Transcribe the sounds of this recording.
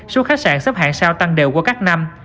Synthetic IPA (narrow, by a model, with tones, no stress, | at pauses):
so˨˦xaː˦˥t̚saː˧˩nsə˦˥p̚ha̰ː˧˨nsaː˧wt̪a˧ŋɗḛ˨˩wku˧˩əkaː˦˥k̚na˧m